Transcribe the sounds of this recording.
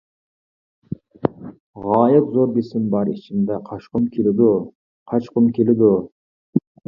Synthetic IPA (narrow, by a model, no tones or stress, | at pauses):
ʁɑːjɨqzoɾbesɪmbɑɾit͡ʃʰind̪ɛqʰɑʃqʊmkʲʰelɪd̪ʊ | qʰɑt͡ʃqʊmkʲʰelɪd̪ʊ